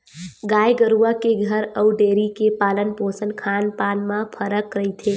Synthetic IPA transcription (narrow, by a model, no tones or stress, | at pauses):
ɡaːjɡəɾuakeɡʱəɾəʊɖeːɾikepaːlənposənkʰaːnpaːnmãpʰəɾəkɾəit̪ʰe